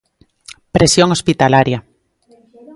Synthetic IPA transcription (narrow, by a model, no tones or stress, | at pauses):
pɾesjoŋospit̪alaɾja